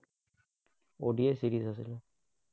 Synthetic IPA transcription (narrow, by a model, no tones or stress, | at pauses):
oɖiesiɾisasilo